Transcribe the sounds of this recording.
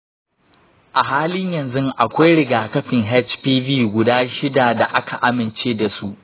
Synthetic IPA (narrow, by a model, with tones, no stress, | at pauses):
ʔa˨ɦaː˦lɪ˦ɲjɐ˨nzʊ˦ŋʔa˨kʷa˦jɽɪ˨ɡaː˨kɐ˦ɸɪ˨ŋɦɛ˦t͡ʃpiː˦biː˦ɡʷʊ˦daː˦ʃɪ˦da˨da˨ʔa˦kʰa˨ʔa˦mɪ˨nt͡ʃeː˦da˨su˦ʔ